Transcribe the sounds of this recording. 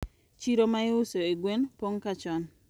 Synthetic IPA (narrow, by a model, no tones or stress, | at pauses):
t͡ʃiɾomaeʊsoeɡwenpoŋkat͡ʃɔn